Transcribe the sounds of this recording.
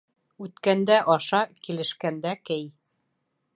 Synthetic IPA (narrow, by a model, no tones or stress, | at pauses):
ʉt̪kænd̪æʔɒʃɑkilɘ̆ʃkænd̪ækɘj